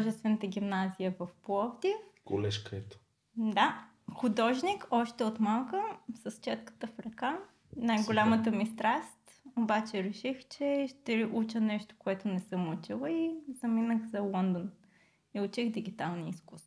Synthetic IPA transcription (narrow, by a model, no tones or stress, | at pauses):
ʒɛst̪vɛnət̪əɡʲimnazijəvɐfplˠɔvd̪ʲiəkolɛʃkəɛt̪o̥ | d̪a | xʊd̪ɔʒnikɔʃt̪ɛot̪malˠkəsɐst͡ʃɛt̪kə̥t̪əfɾɐka | najɡolʲamət̪əmist̪ɾast̪ | obat͡ʃɛɾɛʃixt͡ʃɛʃt̪ɛʔut͡ʃənɛʃt̪o̥koɛt̪ʊnɛsəmut͡ʃilˠəizɐminəxzɐlˠɔnd̪on | iʊt͡ʃixd̪iɡit̪alˠniːskust̪vo̥